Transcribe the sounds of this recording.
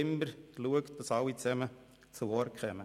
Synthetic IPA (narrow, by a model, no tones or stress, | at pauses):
ɪmbəɾluəkt̚d̥ɑsɑlːit͡sɛmə | t͡suɔɾkʰχɛmə